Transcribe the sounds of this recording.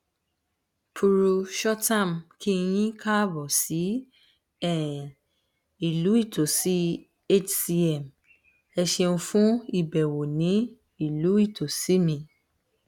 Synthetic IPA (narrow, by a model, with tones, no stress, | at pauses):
pʰu˧ɾu˧ʃɔ˦tã˦˨mkʰi˦j̃ĩ˦ka˦bɔ˨si˨˦ | ɛ˦˨ | i˨lu˨˦i˦˨tʰo˨si˨˦ | e˦t͡ʃsi˧˦ɛ˦˨m | ɛ˧ʃe˧ũ˧fũ˦i˦˨bɛ˨wo˨nĩ˨˦ | i˨lu˨˦i˦˨tʰo˨si˦mĩ˧